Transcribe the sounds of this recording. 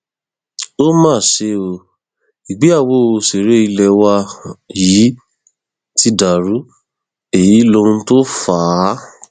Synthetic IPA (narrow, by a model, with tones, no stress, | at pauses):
o˦mãː˦˨ʃe˧˦o˧ | i˨ɡ͡be˨˦a˦˨wo˦o˧se˨ɾe˨˦i˧lɛ˧wa˧ji˨˦ | ti˧˦da˨ɾu˨˦ | e˨ji˨˦lo˧ɾũ˧to˦faː˨˦